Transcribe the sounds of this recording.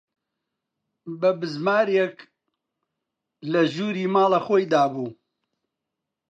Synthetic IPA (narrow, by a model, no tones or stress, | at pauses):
bɐbɨzmaːɾjek | lɐʒuːɾiːmaːlaxoːjd̪aːbuː